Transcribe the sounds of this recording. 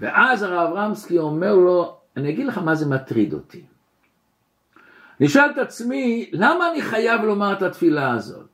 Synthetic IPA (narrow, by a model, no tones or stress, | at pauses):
vḛʔazaʁavʁamskio̞me̞ʁlo̞ | aniaɡidleχamaze̞mat̪ʁid̪o̞̰t̪ʰi̥ | niʃalt̪at͡smilamaːniχajavlo̞maʁet̪at̪filaːzo̞̰t̪̚